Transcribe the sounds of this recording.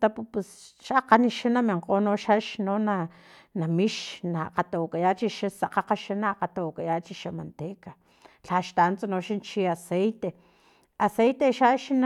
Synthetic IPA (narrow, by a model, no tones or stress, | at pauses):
t̪apupesʃaqaniʃanamiɴqoːnoʃaʃnona | namiʃnaqat̪awkajat͡ʃiʃasaqaqaʃanaqat̪awakajat͡ʃiʃamant̪eka | ɬaʃt̪ant͡sanoʃant͡ʃiasejt̪e | asejt̪eʃaʃn